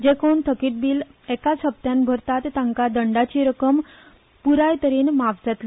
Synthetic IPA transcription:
d͡ʑekont̪ʰəkiːʈ̚biːlɛkat͡səb̚t̪jãnbʱəɾt̪at̪ːãŋkad̪əɳɖat͡ɕiːɾəkəm | puɾajt̪əɾiːnmaʋset̪l

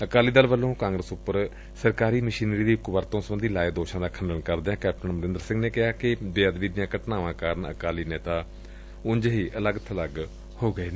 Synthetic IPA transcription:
əkaːliːd̪əlʋəlːõːkãːŋɡɾəsʊpːəɾ | səɾkaːɾiːməʃiːnɾiːd̪iːʊkbəɾt̪õːsəbənd̪iːlaːed̪oːʃãːd̪aːkʰənɖənkəɾd̪eːãːkɛːp̚ʈənməɾɪ̃nd̪əɾsɪ̃ŋɡneːkɪɦaːkɪbeːaːd̪ʋiːd̪ɪjãːkəʈnaːʋãːkaːɾəɳə̰kaːliːneːt̪aː | ʊɲd͡ʒɦiːʔələɡt̪ʰələɡ | hoːɡəeː

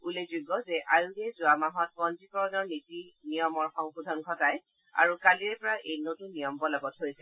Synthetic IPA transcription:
ulezuɡɔzɛʔajudɛzʊamaɦɔt̚pɔnzikɔɹɔnɔɹnitinijɔmɔɹxɔŋxudʱɔnkʰɔtaj | a̰ɹukaliɹɛpɔɹaʔejnotunijɔmbɔlaɡɔtɦojsɛ

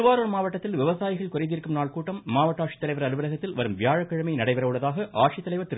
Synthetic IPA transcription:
ɯʋaːɾonmaːʋɐʈːɐt̪ːɪlʋɪʋɐsaːjɪɣɐɭkʊɾɐɪt̪ɪɾkːɯmnaːɭkuːʈːɐmːaːʋɐʈːaːʈʂi̥t̪ːɐlɐɪʋɐɾɐɾɯʋɐɾɐɣɐt̪ːɪlʋɐɾɯmʋɪjaːɻɐkːɐɻɐmɐɪnɐɽɐɪʋɐɾɐʋɯɭːɐðaːɣɐʔa̰ːʈʂit̪ːɐlɐɪʋɐɾt̪ːɪɾ

